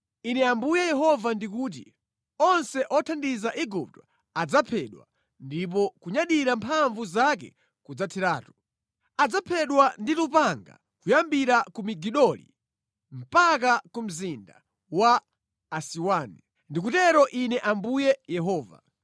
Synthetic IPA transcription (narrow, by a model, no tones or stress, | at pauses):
inɛambujɛjɛɦɔvandikuːt̬ḭ | ɔnsɛʔɔtʰandizaʔiɡup̚tɔ̥ | ad͡zapʰɛɗwa̰ | ndip̬ɔkuɲaɗiɾampʰaɱvuzakɛ̰ | kud͡zatʰiɾaːtu | ad͡zapʰɛɗwanditupaŋɡa̰ | kujambiɾakumiɡiɗɔlḭ | m̩pakakum̩zinda | waː | siwaːni | ndik̬utɛɾɔʔinɛʔambujɛjɛɦɔːva̰